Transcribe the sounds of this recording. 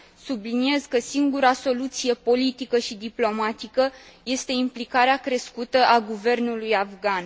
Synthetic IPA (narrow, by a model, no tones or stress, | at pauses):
sublinie̞zkəsiŋɡuɾaso̞lut̪sije̞po̞lit̪ikəʃid̪iplo̞mat̪ikəje̞st̪e̞implikaɾeakɾe̞skut̪əʔaɡuve̞rnulujafɡan